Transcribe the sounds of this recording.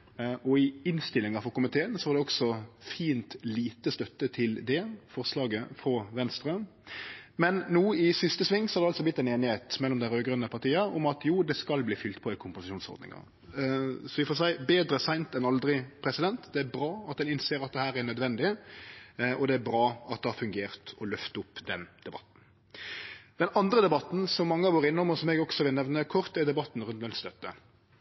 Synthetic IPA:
ɔɪɪnst̪ɪlːɪŋɑfɔɾkʊmɪt̪ʰeːənsɔʋɑʁd̪ɛɔɡsɔfiːnt̪liːt̪əst̪œt̪ːət̪ʰɪld̪ɛfɔʁslɑːɡəfɾɔʋɛnst̪ɾəm | mɛnːuːɪsɪst̪əsʋɪŋːsɔ̥hɑɾd̪ɛɑlsɔblɪt̪ːɛneːnɪheːt̪mɛlːɔmd̪æɪɾøːɡɾœnəpʰɑɾt̪ʰiːəɔmɑt̪juːd̪ɛskɑlbliːfʏlt̪pʰɔɪkʰʊmpʊsɪʃuːnsɔ̰ɾd̪nɪ̰ŋɑ̰ʁ | sɔʋɪfoːs̬æɪbeːd̪ɾəsæɪnt̪ɛnɑld̪ɾɪpʰɾɛsɪd̪ɛnt̪d̪ɛæɾbɾɑːɑt̪̚d̪ɛnɪnseːɾɑt̪̚d̪ɛhæːɾænœd̪ʋɛnd̪ɪ | ʔɔd̪ɛæɾbɾɑːɑt̪̚d̪ɛhɑɾfʉŋɡeːɾt̪ɔlœft̪əʊpːd̪ɛnd̪̥ɛbɑ̰t̪n̩ | d̪̥ɛnɑnd̪ɾəd̪ɛbɑt̪n̩sɔmːɑŋːəɑʋoːɾɪnːəʊmɔsɔmɛɡɔɡsɔʋɪlnɛʋnəkʰɔɾt̪ɛɾd̪ɛbɑt̪n̩ɾʉnt̪ʋɛnt̪st̪œt̪ːə̰

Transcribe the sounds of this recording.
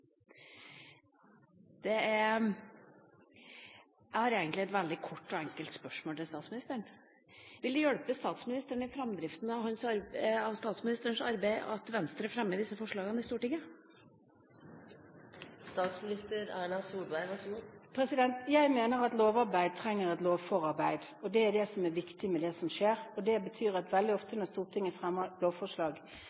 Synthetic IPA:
d̪̥ɛæɾ | jæɪhɑːɾeːɡənt̪lɪɛt̪ʋɛld̪ɪkʰɔʈːɔɛŋkəlt̪spœʂmoːlt̪ɪlst̪ɑːt̪smɪnɪst̪əəɳ | ʋɪld̪ʉjœɽpəst̪ɑːt̪smɪnɪst̪əɳəɪfɾɛmd̪ɾɪft̪ən̩ɑʋhɑnsɑɾɑʋst̪ɑːt̪smɪnɪst̪əəɳʂɑɾbæɪɑ̰t̪ʋɛnst̪ɾəfɾɛmːəd̪ɪsːəfɔʂɭɑːɡənəɪst̪uːʈɪŋːə | st̪ɑːt̪smɪnɪst̪əɾæːɳɑsuːd̪ʋæɪʋɑspʰɾɛsɪd̪ɛnt̪jæɪmeːnəɾɑt̪loːʋɑɾbæɪd̪̚t̪ʰɾɛŋːəɾɛt̪loːʋfɔɾɑɾbæɪd̪ɔd̪ɛæɖɛsɔmæɾʋɪkt̪ɪmɛd̪ɛsɔmʂeːɾɔd̪ɛbət̪ʰyːɾɑt̪ʋɛld̪ɪɔft̪ənɔɾst̪uːlt̪ɪŋəfɾɛmːəloːʋfɔʂɭɑːɡ

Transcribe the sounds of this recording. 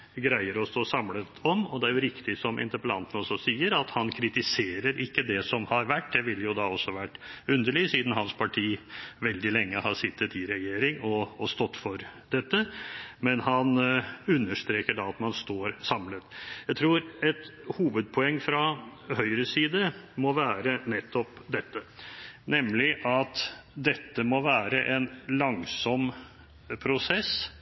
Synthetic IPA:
ɡɾæɪəɾɔst̪oːsɑmlət̪ɔmɔd̪ɛæɾjʊɾɪkt̪ɪsɔmʔɪ̰nt̪əɾpəlɑ̰nt̪n̩ɔsɔsiːəɾɑt̪hɑnkʰɾɪt̪ɪseːɾəɾɪkːəd̪ɛsɔmhɑɾʋæʈ̚ːd̪ɛʋɪljʊd̪ɑɔsːɔʋæʈːʉnd̪əɭɪsiːd̪n̩hɑnspʰɑʈʰiːʋɛld̪ɪlɛŋːəhɑʂɪt̪ːət̪ɪɾɛjeːɾɪŋɔːst̪ɔt̪ːfɔɾd̪̥ɛt̪ːəmɛnhɑnʉnːəʂt̪ɾeːkəɖɑɑt̪mɑnst̪oːɾsɑmlət̪jæɪt̪ʰɾuːɾɛt̪huːʋəd̪̚pʰɔɛŋːfɾɑhœʏɾəsiːd̪əmɔʋæːɾənɛt̪ːɔpd̪ɛt̪ːənɛmlɪʔɑt̪d̪ɛt̪ːəmɔʋæːɾəʔɛnlɑŋsɔm | pʰɾʊsɛs

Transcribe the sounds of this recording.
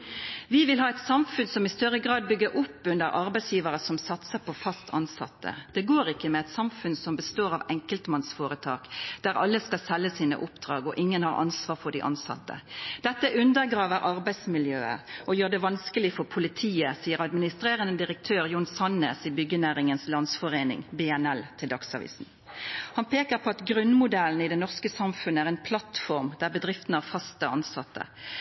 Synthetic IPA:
ʋɪʋɪlɦɑːɛɪt̪sɑmfʉnsɔmɪst̪œɾəɡɾɑːd̪̚bʏɡːəɾʔʊpːʉnd̪əɾʔɑɾbæɪsjiːʋəɾəsɔmsɑt̪səpʰɔfɑst̪ʰɑnsɑ̰t̪ːə̰d̪̥ɛɡoːɾɪkːəmɛɛt̪sɑmfʉnsɔmbəst̪oːɾɑʋɛŋkəlt̪mɑnsfoːɾət̪ʰɑːkd̪̥æɾɑ̰lːəskɑlsɛlːəsiːnə̰ʔʊpd̪̥ʁɑːɡɔʔɪŋːənhɑɾʔɑ̰nsʋɑːʁfɔɖɪ̰ʔɑ̰nsɑ̰t̪ːə̰d̪̥ɛt̪ːəʔʉnd̪əʁɡɾɑːʋəɾʔɑɾbæɪd̪smɪljøːə̰ɾʔɔjøːʁd̪ɛʋɑnskəlɪfɔʁpʰʊlɪt̪ʰiːəsiːəʁɑd̪mɪnɪst̪ɾeːʁənəd̪ɪʁək̚t̪ʰøːʁjʊnsɑnːeːsibʏɡːənæːʁɪŋənslɑnd̪sfɔʁeːnɪ̰ŋbɛːɛnɛlt̪ʰɪld̪ɑksɑʋḭːsn̩ | hɑnpʰeːkəʁpʰɔɑt̪ɡɾʉnːmʊd̪ɛln̩əɪd̪ɛnɔʁskəsɑmfʉnːəæːʁɛɪnpʰlɑt̪fɔʁmd̪̥æʁbəd̪ʁɪft̪nəɑːfɑst̪əɑnsɑt̪ːə̰

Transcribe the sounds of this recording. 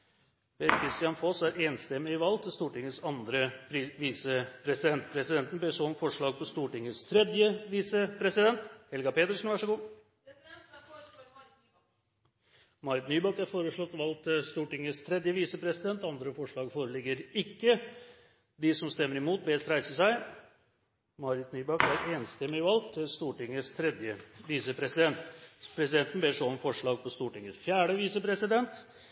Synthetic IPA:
ʋɛkʰɾɪst̪jɑnfɔsæɾeːnst̪ɛmːɪɪʋɑlt̪ʰɪst̪uːʈɪŋːəsɑnd̪ɾəʋiːsəpʰɾɛsɪd̪ɛnt̪pʰɾɛsɪd̪ɛnt̪nbeːsɔnfɔʂɭɑːɡ̚pʰɔst̪uːʈɪŋːəst̪ʰɾɛd̪jəʋiːsəpʰɾɛsɪd̪ɛnt̪hɛlɡɑpʰeːt̪əʂn̩ʋæʂɔɡuː | mɑɾɪt̪nyːbɑkæɾfoːɾəʂɭɔt̪ːʋɑlt̪st̪uːʈɪŋːəst̪ʰɾɛd̪jəʋiːsəpʰɾɛsɪd̪ɛnt̪ɑnd̪ɾəfɔʂɭɑːɡfoːɾəlɪɡːəɾɪkːə | d̪ɪsɔmst̪ɛmːəɾɪmuːt̪̚bɛːst̪ɾæɪsəsæɪ | mɑɾɪt̪nyːbɑkæɾeːnst̪ɛmːɪʋɑlt̪ʰst̪uːʈɪŋːəst̪ʰɾɛd̪jəʋiːsəpʰɾɛsɪd̪ɛnt̪pʰɾɛsɪd̪ɛnt̪ənbeːʂɔmfɔʂɭɑːɡ̚pʰɔst̪uːʈɪŋːəsfjæːɖəʋiːsəpʰɾɛsɪd̪ɛnt̪

